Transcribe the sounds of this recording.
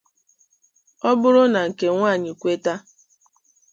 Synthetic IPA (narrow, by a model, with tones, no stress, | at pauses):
ɔ˦bʊ˦ɾʊ˦na˨ŋ̩˨ke˨ŋʷaː˦˨ɲɪ˨kʷe˦ta˦